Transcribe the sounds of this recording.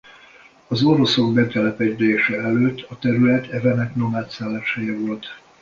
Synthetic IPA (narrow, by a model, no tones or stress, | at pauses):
ɒzo̞ɾo̞so̞ɡbɛt̪ɛlɛpɛd̪eːʃɛɛløːt̪ːɒt̪ɛɾylɛt̪ʰɛvɛnɛknomaːt̪saːlaːʃɛjɛvo̞lt̪